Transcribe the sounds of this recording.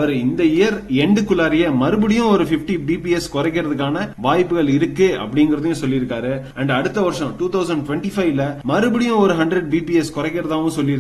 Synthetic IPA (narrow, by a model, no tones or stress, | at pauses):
ɐʋɐɾɪnd̪ɐɪjɐɾɛɳɖɯkːʊlaːɾɪjɐmɐɾɯbɯɽɪjʊ̃ɔɾɯfɪfʈibiːpiɛskɔɾɐk̬ːɪɾɐðɯk̬ːaːnɐʋaːjpːɯɣɐɭɪɾɯkːɯɐ̰pːɐɽɪŋɡɪɾɐðɯjʊ̃sɔlːɪɾɯkːaːɾɯɐɳɖɐɽɯt̪ːɐʋɐɾʂɐ̃ʈuːt̪ɐʊsɐɳɖ̚ʈʊʋɛɳʈifɐɪʋlɐmɐɾɯbɯɽɪjʊ̃ɔɾɯɦɐɳɖɾɐɖ̚biːpiɛskɔɾɐkːɪɾɐðãːʋʊ̃sɔlːɪɾɯ